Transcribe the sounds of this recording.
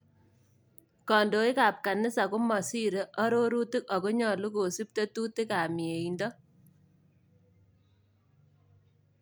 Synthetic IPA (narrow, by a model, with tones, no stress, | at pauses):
kɔː˨ndoː˨i˦kaː˨p̚ka˨nɪ˦sa˨kʊ˦mɔ˨si˦ɾe˦ʔɔ˦ɾo˦ɾu˦tɪ˦kɔ˨ko˦ɲɔ˨lu˦ko˨si˦p̚te˦tu˦tɪ˦kaː˨mi˨e˨indɔ˦